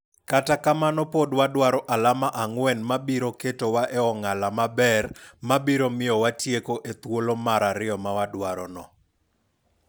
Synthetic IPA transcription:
katakamanɔpodwadwaɾɔʔalamaʔaŋwɛnmabiɾoketowaʔeɔŋalamabɛrmabiɾomɪjɔwatjekoʔet̪wolomaɾaɾɪɔmawadwaɾɔnɔ

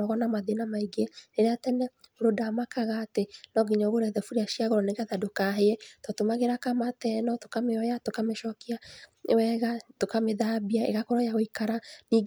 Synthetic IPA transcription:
ɔɣɔnamaðenamaiɡeeɾeatɛnɛoɾodamakaɣatenɔɡiɲɔɣoɾɛðɛfuɾeaʃiaɣɔɾɔneɣaðadokaɦeɛtɔtomaɣeɾakamatɛnɔtokameɔjatokameʃɔkiawɛɣatokameðabiaḛɣakɔɾɔjaɣoikaɾaniː

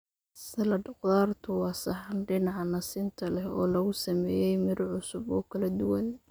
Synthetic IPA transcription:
sɐlɐɖʊqðaːrt̪ʰʊwɑːsɑħɑnɖɪnɑʕɑnɐsɪːnt̪ʰɐlɛhɔ̰ːlɐɣʊsɐmɛːjɛjmɪɾʕʊsʊbɔːkʰɐlɐd̪ʊwɐn

